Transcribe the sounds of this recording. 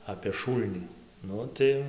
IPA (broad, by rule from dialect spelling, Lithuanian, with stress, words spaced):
ɐpʲeː ˈʃuːlʲnʲiː ˈnʊ tɐɪ